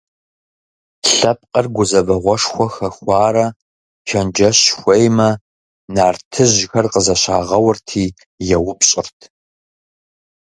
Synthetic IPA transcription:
ɬɐp̚ʼqʼɐrɡʷʊzɐvɐʁʷɔʂxʷɔxɐxʷɑːɾɐ | ʃɐnd͡ʒɐɕxʷɐjmɐ | naːrtʰɨʑxɐrqəzɐɕaːʁɐwʊrtʰiː | jɛwʊpɕʼɪrtʰ

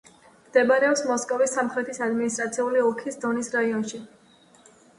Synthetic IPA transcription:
md̪̥ɛbaɾɛɔpsmɔskʼɔvisːamχɾɛt̪ʰisad̪minist̪ʼɾat̪sʰiuliɔkʰisd̪ɔnisɾaiɔnʃi

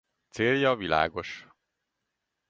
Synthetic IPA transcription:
t̪seːljɒvila̰ːɡo̞ʃ

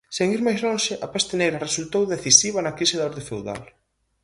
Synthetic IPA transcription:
seŋiɾmajzlõŋʃɪʔɐpɛst̪ɪnejɾɐresult̪owðeθisiβ̞ɐnɐkɾisɪðaɔɾðefewða̰l

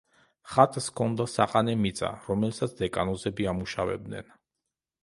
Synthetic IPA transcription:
χat̪ʼskʰɔnd̪asaqʼanɛmit̪sʼa̰ɾɔmɛlsat̪sʰd̪ɛkʼanɔzɛbiamuʃavɛ̰b̚d̪nɛ̰n

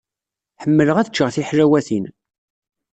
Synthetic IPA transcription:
ħəmːələʁæðət͡ʃːəʁθiħɾæwæθin

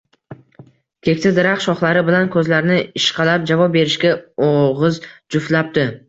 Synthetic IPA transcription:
kʲʰe̞kʲt̪ʰad̪ɪɾaχʃɒχlˠaɾɪbɪlankʰɵzlaɾnɪɪʃqʰɑlap̚d͡ʒavɒp̚be̞ɾɪʃkʲaoʁɨzd͡ʒʊft̪lap̚d̪ɪ

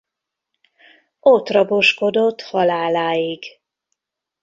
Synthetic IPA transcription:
ot̪rɒboʃko̞d̪o̞t̪ːhɒlaːlaːjiɡ

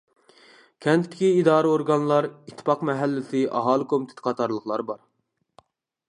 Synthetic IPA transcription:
kʲʰɛnt̪ʰɪt̪ʰːɪ̥kʲiːd̪ɑːɾɨoɾɡɑnlˠɑɾit̪ʰːɪ̥pɑqmɛɦælːɪsɪʔɑ̰ɦɑːlˠɨkʰomɪt̪ʰe̥t̪ʰɪ̥qʰɑt̪ʰɑɾlˠəχlˠɑɾbɑɾ

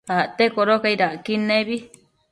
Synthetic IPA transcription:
aʔt̪ekoɾokaiɾaʔkinẽβi

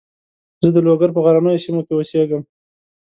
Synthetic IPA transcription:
zəd̪əloɡaɾp̬əɣaɾanəjosimokeoseɡəm

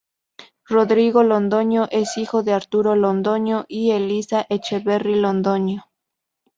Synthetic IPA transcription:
roðɾiɣo̞lond̪o̞ɲoʔe̞sixo̞ðe̞aɾt̪uɾo̞lond̪o̞ɲoʔielisaʔet͡ʃeβerilond̪o̞ɲo

